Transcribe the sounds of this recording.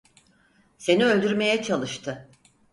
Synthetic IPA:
se̞niø̞lʲd̪yɾme̞jɛt͡ʃʰalˠɯʃt̪ʰɯ

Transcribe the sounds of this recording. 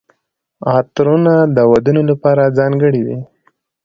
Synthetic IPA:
ɑt̪ɾunad̪əwad̪unolapɑɾad͡zɑŋɡəɽiwḭ

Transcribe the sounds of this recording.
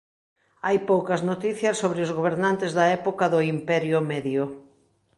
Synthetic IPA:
ajpowkɐznot̪iθjɐsːoβɾɪʊzɣoβ̞eɾnant̪ɪzðɐɛpokɐðʊimpɛɾjʊmɛðjʊ

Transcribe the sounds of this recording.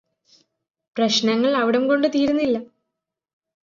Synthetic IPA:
prɐɕnɐŋːɐɭɐʋiɽɐmko̞ɳɖɨt̪iːɾunːilːɐ

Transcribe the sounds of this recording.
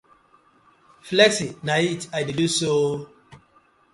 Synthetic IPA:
flɛksinaitajdiduso

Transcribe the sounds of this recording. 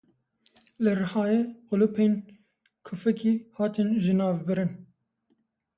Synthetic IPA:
lɨrɨhɑːjeqʊlupʰeːn | kʰʊfɛkiːhɑːt̪ɨnʒɨnɑːvbɨɾɨn

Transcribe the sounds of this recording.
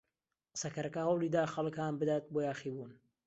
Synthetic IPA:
qə̥sɐkʰɐɾɐkɐhɐwlˠiːd̪aːxɐlˠɨkanbɨd̪aːt̪̚boːjaːxiːbuːn

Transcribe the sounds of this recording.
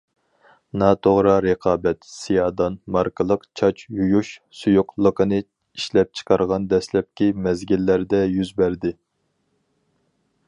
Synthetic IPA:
nɑt̪ʰoʁɾɑɾeqʰɑːbɛt̪sijɑːd̪ɑnmɑɾkʰəlˠəqt͡ʃʰɑt͡ʃjujuʃsujuqlˠəqʰənɨ | iʃlɛp̚t͡ʃʰə̥qʰɑɾʁɑnd̪ɛslɛp̚kʲimɛzɡʲilːæɾd̪ɛjyzbæɾd̪ɪ

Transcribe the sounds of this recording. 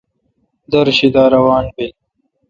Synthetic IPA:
d̪ɐɾɕid̪aːɾɐwaːnbe

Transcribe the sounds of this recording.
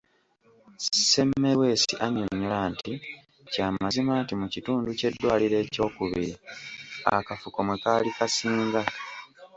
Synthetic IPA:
se̞mːewe̞ːsiʔaɲoɲːolanti | caːmazimaːntimucituːnduce̞dːwaːliɾe̞ːco̞ːkuβḭɾḭa̰kafukomwekaːlikasiːŋɡa

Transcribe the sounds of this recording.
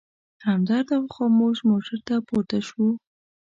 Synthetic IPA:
ɾɑmd̪ɑɾd̪awxomoʒmoʈʰaɾt̪apoɾt̪aʃu

